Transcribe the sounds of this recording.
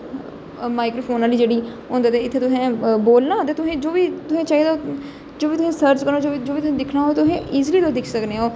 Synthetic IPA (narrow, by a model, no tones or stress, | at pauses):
maːɪkɾoːpʰoːnaːliːd͡ʒeːɽiːɦʊ̃ːnd̪aːt̪eːɪt̪ʰːeːt̪ʊɦẽːboːlnãːt̪eːt̪ʊɦẽːd͡ʒoːʋiːt̪ʊsẽːt͡ʃaːɦiːd̪aːo | d͡ʒoːʋiːt̪ʊsẽːsəɾt͡ʃkəɾnoːd͡ʒoːid͡ʒoːʋiːt̪ʊẽːd̪ɪkʰnaːɦoːt̪ʊɦẽːʔiːzliːt̪od̪ɪkʰsəkneːoː